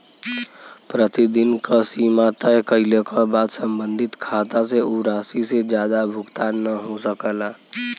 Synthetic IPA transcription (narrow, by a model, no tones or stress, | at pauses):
pɾət̪id̪inkəsiːmat̪əjkəilekəbaːd̪səmbə̃nd̪ʱɪt̪kʰat̪aseuɾaːsised͡ʒjaːd̪abʱʊkt̪anəɦosəkəla